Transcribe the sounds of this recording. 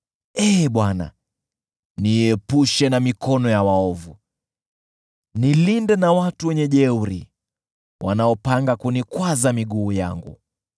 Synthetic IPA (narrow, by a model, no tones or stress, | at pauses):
ɛɓwana̰ | niɛpuʃɛnamikɔnɔjawaɔvu | nilindɛnawatuwɛɲɛʄɛuɾḭ | wʔa̰naɔpaŋɡakunikwazamiɠuːja̰ŋɡṵ